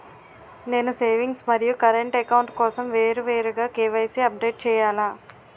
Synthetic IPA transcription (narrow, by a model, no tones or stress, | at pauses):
ne̞ːnuseːʋiŋɡsmɐɾijukɐɾeɳʈɛkɐwɳʈkɔːsɐmʋeːɾuʋeːɾuɡaːkeːʋɐjseːɐp̚ɖeːʈ̚t͡ʃɛːjaːlaː